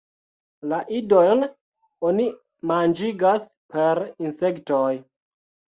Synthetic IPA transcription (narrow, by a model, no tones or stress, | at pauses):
laʔidojn | oni | mand͡ʒiɡas | pe̞ɾinse̞ktoj